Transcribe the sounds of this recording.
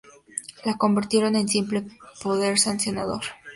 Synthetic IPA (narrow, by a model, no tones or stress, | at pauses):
lako̞mbiɾt̪je̞ɾo̞ne̞nsimplepo̞ðe̞ɾsansjo̞naðo̞̰ɾ